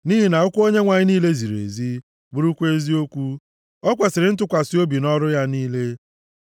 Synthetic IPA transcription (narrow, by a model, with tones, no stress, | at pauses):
ni˦ɦi˦na˨ʊ˦kʷu˦o˦ɲe˦ŋʷa˨ɲɪ˦niː˦le˦zi˨ɾḛ˨zi˦ | ɡ͡bu˦ɾu˦kʷe˦zi˦o˦kʷu˦ | ɔ˦kʷe˨sɪ˨ɾɪ˨˦n̩˦t̬ʊ˦kʷa˨si˦o˦bi˨nɔ˦ɾʊ˦ja˦niː˦le˦